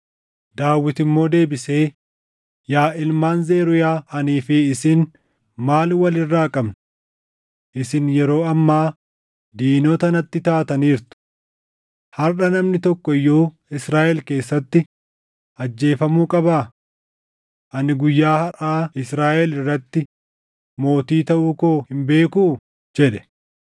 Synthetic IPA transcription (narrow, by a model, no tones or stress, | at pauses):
d̪aːwːɪt̪ɪmːo̞ːd̪e̞ːbɪse̞ː | jaːɪlmaːnze̞ːɾʊjaːɐniːfɪːsɪn | maːlwɐlɪrːaːkʼɐbn | ʔɪsɪnjɛɾo̞ːɐmːaː | d̪iːno̞ːt̪ɐnɐt̪ːɪt̪aːt̪ɐniːɾt̪ʊ̥ | hɐɾʔɐnɐmnɪt̪ɔkːɔɪjːo̞ː | ɪsɾaːʔɛlke̞ːsːɐt̪ːɪ | ʔɐd͡ʒːe̞ːfɐmuːkʼɐbaː | ʔɐnɪɡʊjːaːhɐraːɪsɾaːʔɛlɪrːɐt̪ːɪ | mo̞ːt̪iːt̪ɐʔuːkoːhɪmbe̞ːkuː | d͡ʒɛᶑɛ̥